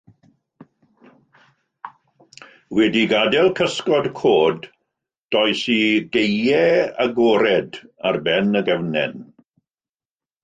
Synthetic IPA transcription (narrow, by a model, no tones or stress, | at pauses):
wɛdiɡadɛlˠkʰəskɔdkʰoːd | d̥ɔjsiɡejɛaɡoːɾɛdarbɛnəɡɛvnɛ̰n